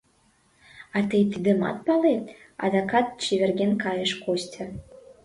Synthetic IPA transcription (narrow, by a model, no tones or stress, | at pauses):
ɑt̪ɨjt̪ɨd̪ɘ̆mɑ̰t̪̚pɑlet̪ | ɑ̰d̪ɑkɑt̪̚t͡ɕiβʲerɣʲenkɑjəʃkosʲtʲʰə̆